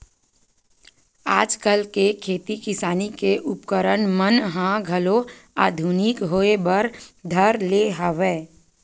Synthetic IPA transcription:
aːd͡ʒkəlkekʰeːt̪ikɪsaːnikeʔʊpkəɾənmənɦãɡʱəloaːd̪ʱunɪkɦoːebəɾd̪ʱəɾleɦəʋeː

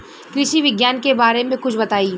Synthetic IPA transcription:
kɾɪʃiʋɪɡjaːnkebaːɾemẽkʊt͡ʃʰbɐt̪aːiː

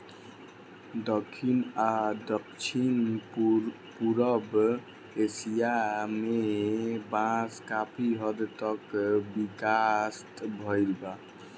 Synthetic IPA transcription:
dɔkʰːinadɔkt͡ʃʰin | puɾəb | esijamebãskapʰiɦʌd̪t̪ʌkbikast̪bʱɔjɾba

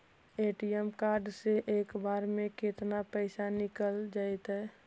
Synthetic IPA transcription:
eʈijɛmkaːɾɖseʔeːkbaːɾmẽket̪napəɪsanɪkəld͡ʒaːɛt̪ɦɛː

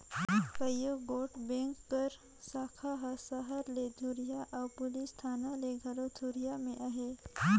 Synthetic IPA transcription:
kəjuɡoʈbẽŋkːəɾ | sakʰaɦasəɦəɾled̪ʱuɾijaʔawpulist̪ʰanaleɡʱəlot̪ʰuɾijamẽʔaɦe

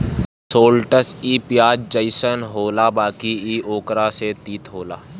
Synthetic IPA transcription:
soːlʈəsiːpjaːd͡ʒd͡ʒəɪsənɦoːlabaːkiiːoːkɾaset̪iːt̪ɦoːlaː

